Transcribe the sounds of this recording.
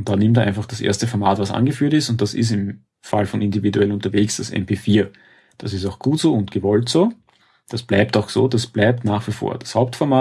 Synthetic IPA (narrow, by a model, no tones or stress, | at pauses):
ʊnt̚d̥anɪmt̬ːɐʔæ̰ɪnfaχd̥asʔḛɐstəfɔɐma̰ːtvasʔa̰nɡəfyːɐtɪstʊnt̚d̥asɪ̰s̬ɪm | falfɔnɪndividuɛlnʊ̃ntɐveːksd̥asɛ̰mpʰeːfiːɐ | d̥asɪstaʊxɡ̥uːtz̥oːʊntɡ̥əvɔltz̥oː | d̥asb̥læɪp̚taʊxso̰ːdasb̥læɪp̚tnaːχv̥ifo̰ːɐd̥ashaʊp̚tfɔɐmaː